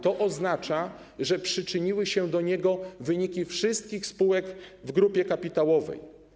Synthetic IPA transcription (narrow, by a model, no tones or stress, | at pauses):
t̪ɔʔɔznat͡ʂa | ʐɛpʂɘt͡ʂɘɲiwɘɕɛd̪ɔɲɛɡɔvɘɲikʲifʂɘst̪̚kʲixspuwɛkvɡɾupʲjɛkapʲit̪awɔvɛ̰j